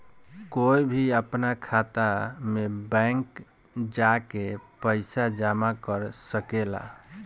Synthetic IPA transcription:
koibʱiəpnakʰat̪amebɛ̃ŋk | d͡ʒakepəɪsad͡ʒamakəɾsəkela̰

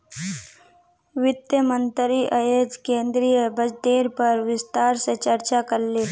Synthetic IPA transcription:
ʋɪt̪jəmənt̪ɾiʔəjed͡ʒkẽnd̪ɾiːjəbəd͡ʒd̪eɾpəɾʋɪst̪aɾsət͡ʃəɾt͡ɕakəɾle

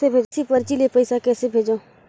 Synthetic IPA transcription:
ebʱeːd͡ʒsipəɾt͡ʃilepəɪsakɛːsebʱeːd͡ʒoː

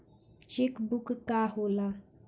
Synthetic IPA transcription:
t͡ʃekbukkaɦola

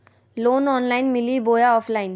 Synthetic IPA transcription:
loːnɔːnlaːɪnmɪliboːjaɔːpʰlaːɪn

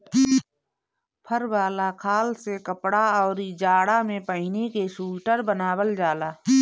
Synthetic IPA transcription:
pʰəɾbaːlakʰaːlsekəpɽaɔːɾid͡ʒaːɽamẽpəɦɪnekeʃuːʈəɾbənaːwəld͡ʒaːlaː

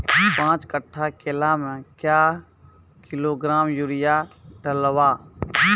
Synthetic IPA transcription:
pãːt͡ʃkəʈʰːakelamẽkja | kɪloɡɾaːmjuɾɪjaɖəlwaː

